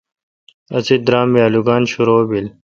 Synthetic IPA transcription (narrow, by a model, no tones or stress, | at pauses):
ɐsid̪ɾaːmːiaːluɡaːnɕuɾoːbil